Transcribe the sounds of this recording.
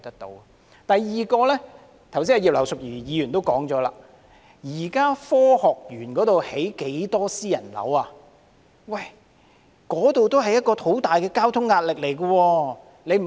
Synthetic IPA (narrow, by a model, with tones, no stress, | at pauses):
t̪ɐ˥k̚t̪o̰˧˥wɐ˨ | t̪ɐ˨jːiː˨kɔː˧lɛː˥ | t̪ʰɐ˨˩wsiː˥ɐ˨˧jiː˨p̚lɐ˨˩wsʊ˨k̚jyː˨˩jiː˨˧jyː˨˩nt̪o˥wkɔː˨˥ŋt͡ʃɔː˨˥la̰ː˧ | jiː˨˩kaː˥fɔː˥hɔː˨k̚jyː˨˩nkɔː˨˥t̪o˨whe˨˥jke˨˥jt̪ɔː˥siː˥jɐ˨˩nlɐ̰˨˥waː˧ | wɐ˥˨˩j | kɔː˨˥t̪o˨wt̪o˥wɦɐ˨jɐ˥t̚kɔː˧t̪ʰo˨˥wt̪aː˨jkɛː˧kaː˥wt̪ʰʊ˥ŋːaː˧t̚lɪ˨k̚le˨˩jkɐ˧wɔː˧ | le˨˧jm̩˨